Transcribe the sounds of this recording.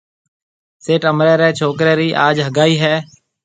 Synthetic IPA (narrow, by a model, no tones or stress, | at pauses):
seːʈəmɾɛːɾɛːt͡ʃʰoːkɾɛːɾiːʔaːd͡ʒɦəɡaːiːɦɛː